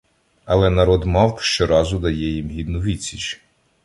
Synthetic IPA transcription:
ɐlˠɛnɐɾɔd̪mɑwpʃt͡ʃɔɾɑzʊd̪ɐjɛjimɦʲid̪nʊʋʲit͡sʲit͡ʃ

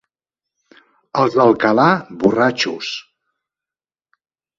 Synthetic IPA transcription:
əlˠzðəlˠkəlaβurat͡ʃus

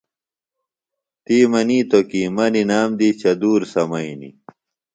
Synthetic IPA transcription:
t̪iːmɐniːt̪okimɐninaːmd̪it͡ɕɐd̪uːɾsɐmɐinḭ

